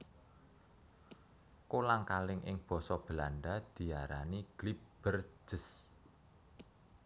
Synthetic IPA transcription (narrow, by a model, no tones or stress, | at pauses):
kolaŋkalɪŋʔɪ̰ŋb̥ɔ̤sɔb̥əlanɖad̪̥i̤jaɾa̰niɡ̥lib̥ər̥ʒ̥ə̤s